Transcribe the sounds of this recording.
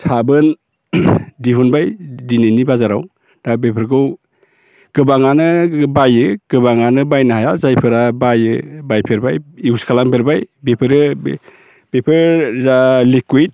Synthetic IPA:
sʰabɯn | diɦunbajdinenibazaɾaw | d̥abepʰɯɾɡɯw | ɡ̥ɯbaŋanɯbajɯɡ̥ɯbaŋanɯbajnɯɦajazajpʰɯɾabajɯbajpʰeɾbajiuskʰalaŋpʰeɾbajbepʰɯɾɯ | b̥epʰɯɾɾalikuit̚

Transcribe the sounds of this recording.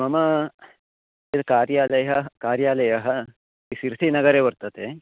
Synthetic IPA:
mɐmɐ | et̪kaɾjaːlɐjɦɐɦkaːɾjaːlɐjɐɦə | t̪isiɾt̪ʰinɐɡɐɾeʋəɾt̪ɐt̪e

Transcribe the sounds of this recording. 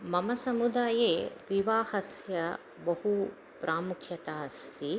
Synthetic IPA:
mɐmɐsɐmud̪aːjeːʋiʋaːhɐsjɐ | bɐɦu | pɾʔaːmukʰjɐt̪aːst̪i

